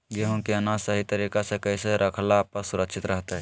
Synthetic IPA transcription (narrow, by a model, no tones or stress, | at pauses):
ɡeɦõkeənasəɦit̪əɾiːkasekɛɪseɾʔəkʰlaːp̚kɐsʊɾəkʃɪt̪ɾɐɦt̪aɦɛ